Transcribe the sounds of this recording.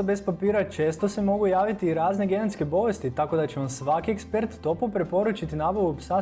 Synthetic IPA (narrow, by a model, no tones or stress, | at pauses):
be̞spapiːɾat͡ʃe̞ːst̪o̞se̞mo̞ɡujaːʋit̪iːɾaːzneɡe̞net̪ske̞bo̞ʋe̞st̪it̪ako̞d̪at͡ɕeonsʋakiekspe̞ɾt̪ːo̞popɾe̞po̞ɾut͡ʃit̪inaːboʋupsa